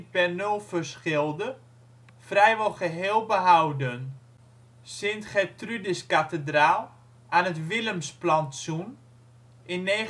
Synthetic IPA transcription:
pɛrnølˠfərsχɪlˠdə | frɛjʋɔlˠχəɦeːlˠbəɦawdən | sɪntχɛtrydɪskatədraːlˠ | aːnətʋɪləmsplantsun | ɪnːeː

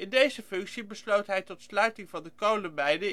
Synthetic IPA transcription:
ɪndejzəfɵŋksibəslowtɦɛjtɔtslœɥtɪŋvɑndəkowləmɛjdə

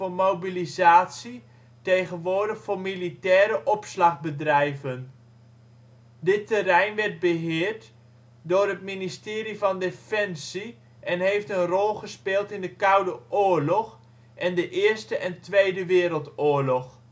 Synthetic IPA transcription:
oːrmowbilizaːtsi | tejχənʋʊːɹdəχfoːmilitɛːɾəʔɔpslɑχbədrɛjvən | dɪtərɛjnʋɛrt̚bəɦɪːrt | dʊːrətministɪːɾivɑndefɛnsi | ʔɛnɦejftənrɔlˠχəspɪːlˠtɪndəkʌwdəʔʊːɹlɔx | ʔɛndəʔɪːɹstəʔɛntʋejdəʋɪːɾəlˠtʊːɹlɔx

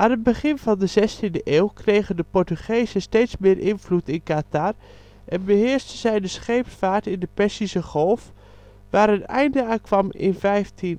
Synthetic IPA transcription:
ʔaːnət̚bəχɪnvɑndəzɛstindəʔeːwkrejɣəndəpɔɹtyχejzəsteːtsmɪːɹʔɪnvlutɪnkatar | ʔɛnbəɦɪːɹstənzɛjdəsχejpfaːtɪndəpɛsisəχɔlˠf | ʋaːɾətɛ̰jndəaːnkʋɑmɪ̰nvɛjftʰin

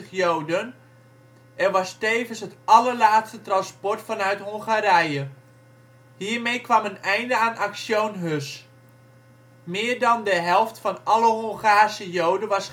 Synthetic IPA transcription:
əχjowdən | ʔɛrʋɑsteːvənsɦətʔɑləɹlaːtstətrɑnspɔɹtfɑnœɥtɦoŋχaːɾɛjə | hiːɹmejkʋɑmənɛjndəaːnʔaksjownɦøs | mɪːɹdɑndəɦɛlˠftfɑnɑləɦɔŋχaːrsəjowdəʋɑs

